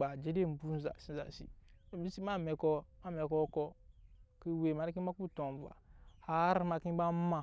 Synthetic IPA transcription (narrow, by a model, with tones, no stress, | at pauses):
a˨d͡ʒe˦de˦˨bu˦n˦za̰˨si˦za̰˨sḭ˨i˦si˦ma˦me˨ko˦ma˦me˨ko˦ko˦ki˦we˨ma˨˦ɾi˦ki˦a˦ku˦˨to˨m˨va̰˨ha˨˦ɾma˨kĩ˦ba˦ma˨